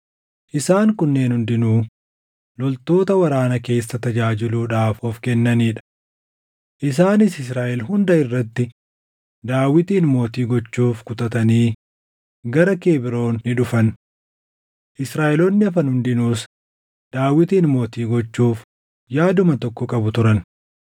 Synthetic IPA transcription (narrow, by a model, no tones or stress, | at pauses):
ʔɪsaːŋkʊnːe̞ːnhʊnd̪ɪnuː | lɔlt̪o̞ːt̪ɐwɐɾaːnɐke̞ːsːɐt̪ɐd͡ʒaːd͡ʒɪluːᶑaːfɔfkɛnːɐniːᶑɐ̥ | ʔɪs̬aːnɪsɪsɾaːʔɛlɦʊnd̪ɐɪrːɐt̪ːɪ | d̪aːwːɪt̪iːnmo̞ːt̪iːɡɔt͡ʃːuːfkʊt̪ɐt̪ɐniː | ɡɐɾɐke̞ːbɪɾo̞ːnnɪᶑʊfɐn | ʔɪsɾaːʔɛlɔnːɪɐfɐnhʊnd̪ɪnuːs | d̪̥aːwːɪt̪iːnmo̞ːt̪iːɡɔt͡ʃːuːf | jaːd̪ʊmɐt̪ɔkːɔkʼɐbʊt̪ʊɾɐn